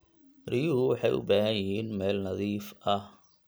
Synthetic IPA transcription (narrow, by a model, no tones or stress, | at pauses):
rijʊɦʊwɑħɑjʔʊ̰baːɦɐjɪɦiːnmɛːlnɐðiːfɐh